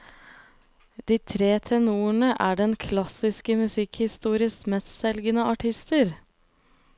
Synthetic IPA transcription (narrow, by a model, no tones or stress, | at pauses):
d̪iːt̪ʰɾeːt̪ʰɛnuːəɳəʔæːɖɛnkʰlɑsɪskəmʉsɪkhɪst̪uːɾɪsmɛssɛlɡənəʔɑʈʰɪst̪əɾ